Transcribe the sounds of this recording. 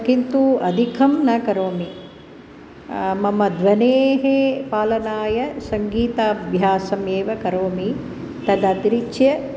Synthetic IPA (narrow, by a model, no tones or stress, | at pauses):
kint̪uɐd̪ʱikʰɐmnɐkɐɾoːmi | mɐmɐd̪ʋɐneːɦepaːlɐnaːjɐsɐŋɡiːt̪aːbʱjaːsɐmeːʋɐkɐɾoːmi | t̪ɐd̪ɐt̪iɾikʃjɐ